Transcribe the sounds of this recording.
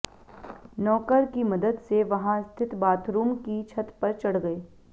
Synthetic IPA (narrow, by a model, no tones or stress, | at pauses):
nɔːkəɾkimɐd̪əd̪seʋɐɦãst̪ʰɪt̪baːt̪ʰɾuːmkit͡ʃʰɐt̪pɐɾt͡ʃɐɽ̤ɡɐeː